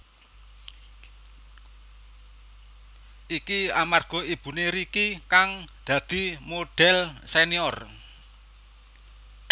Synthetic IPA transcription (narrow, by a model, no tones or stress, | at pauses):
ikiamarɡ̥ɔ̤ib̥ṳneɾikikaŋd̪̥ä̤d̪̥i̤moɖ̥ɛlseniɔr